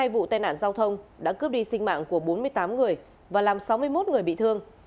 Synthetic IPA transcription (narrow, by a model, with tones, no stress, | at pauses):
haː˧jvṵ˧˨t̪aː˧jna̰ː˧˨nzaː˧wt̪ʰə˧wŋ͡mɗa̰ː˧˥kɨ˦˥əp̚ɗi˧sï˧ŋ̟ma̰ː˧˨ŋku˧˩əɓo˨˦nmɨ˧əjt̪aː˨˦mŋɨ˨˩əj | vaː˨˩laː˨˩msa˨˦wmɨ˧əjmo˦˥t̚ŋɨ˨˩əjɓḭ˧˨t̪ʰɨ˧əŋ